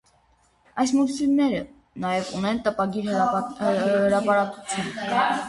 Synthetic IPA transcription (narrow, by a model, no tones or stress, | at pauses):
ɑjs̬muɾsilnɛɾə | nɑjɛvunɛnt̪əpɑɡiɾ | həɾɑpɑɾɑkut͡sʰun